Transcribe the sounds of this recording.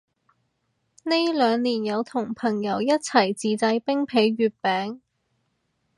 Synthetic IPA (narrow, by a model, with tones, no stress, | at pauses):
ne˥jlœː˨˧ŋliː˨˩njɐ˨˧wt̪ʰʊ˨˩ŋpʰɐ˨˩ŋjɐ˨˥wjɐ˥t̚t͡sʰɐ˨˩jt͡siː˨t͡sɐ˧jpɪ˥ŋpʰe˨˥jɥyː˨˧t̚pɛː˨˥ŋ